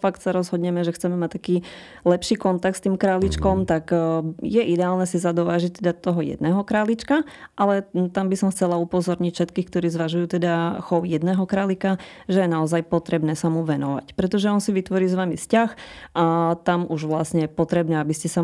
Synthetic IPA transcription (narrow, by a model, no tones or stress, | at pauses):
fak̚t̪saɾɔzɦɔd̪ɲɛmɛʒɛxt͡sɛmɛmact̪akiː | lɛpʃiːkɔnt̪ak̚tst̪iːmkɾaːlit͡ʃkɔmt̪akjɛʔid̪ɛaːlnɛsizad̪ɔʋaːʒic̚t̪ɛd̪at̪ɔɦɔjɛ̰d̪̚nɛːɦɔkɾaːlit͡ʃkaʔalɛt̪ambisɔmxt͡sɛlaupɔzɔɾɲicfʃɛt̪kiːxk̚t̪ɔɾiːzʋaʒujuːt̪ɛd̪axɔʊjɛd̪nɛːɦɔkɾaːlikaʒɛjɛnaɔzajpɔt̪ɾɛbnɛːsamuʋɛnɔʋa̰cpɾɛt̪ɔʒɛɔnsiʋit̪ʋɔɾiːzʋamiscaxʔat̪amuʒʋlasɲɛjɛpɔt̪ɾɛbnɛːabiscɛsa